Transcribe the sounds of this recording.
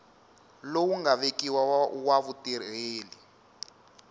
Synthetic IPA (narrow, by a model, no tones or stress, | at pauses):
lowuŋɡaβekiwawaβutireːli